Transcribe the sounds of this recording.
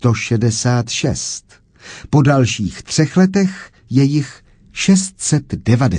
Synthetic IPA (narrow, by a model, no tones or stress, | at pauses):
t̪o̞ʃɛdɛsaːt̪ʃɛ̰st̪ | po̞dalʃiːxt̪r̝̥ɛxlɛt̪ɛx | jɛjɪx | ʃɛst̪̚sɛt̪dɛvadɛ